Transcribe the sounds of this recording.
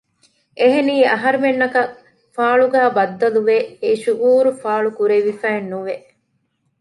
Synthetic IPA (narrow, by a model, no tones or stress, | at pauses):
ʔeɦeniːɐɦɐɾumenːɐkɐ | faːɭuɡæːbɐd̪ːɐluʋeeʃuʔuːɾufaːɭukuɾeʋifæːenːuʋeʔ